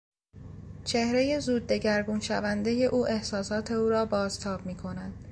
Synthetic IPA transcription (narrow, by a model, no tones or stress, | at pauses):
t͡ʃʰe̞hɾe̞je̞zuːd̪̚ːe̞ɟæɾɡunʃævænd̪e̞je̞ʔuːʔe̞hsɒːsɒːt̪ʰe̞uːɾɒːbɒːzt̪ʰɒːb̥̚miːkʰo̞næd̪̥